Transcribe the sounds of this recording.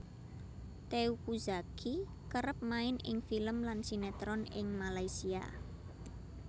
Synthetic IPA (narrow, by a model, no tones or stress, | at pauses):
t̪eukuzakʰi | kəɾəp̚maɪnʔɪŋfiləmlansinɛt̪ɾɔnɪŋmalaisia̰